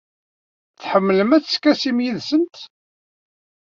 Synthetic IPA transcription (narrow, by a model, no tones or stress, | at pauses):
θħəmːləmæθskːæsimjiðsənt̪